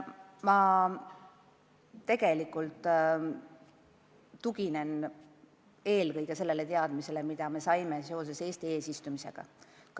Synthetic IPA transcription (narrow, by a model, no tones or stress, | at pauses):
mɑ | e̞ɡ̥e̞likːult̪ːˑ | uɡ̥ine̞n | e̞ːlkɤjɡ̥e̞se̞lːe̞le̞t̪e̞ɑd̪̥mise̞le̞mid̪̥ɑme̞sɑjmeseo̞s̬e̞se̞ːst̪ie̞ːsist̪umise̞̰ɡ̥ɑ̰k